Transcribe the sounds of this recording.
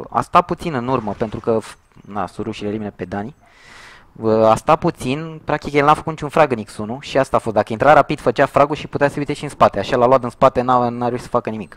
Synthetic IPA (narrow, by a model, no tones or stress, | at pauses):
a̰st̪aput̪sinɨnurməpe̞nt̪ɾukəf | na̰suɾuʃileliminəpe̞d̪ani | ast̪aput̪sinpɾak̚t̪ikjelnafəkut̪it͡ʃunfɾaɡɨniksunuʃiast̪aːfo̞st̪d̪akəint̪ɾaɾapid̪̥fət͡ʃeafɾaɡulʃiput̪easəjut̪eʃiɨnspat̪eaʃalaloat̪ɨnspat̪e̞nanaɾeuʃi̥sə̥fakənimik